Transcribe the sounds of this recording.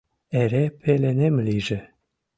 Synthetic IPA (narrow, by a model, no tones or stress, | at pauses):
eɾepʰelenemliʒĕ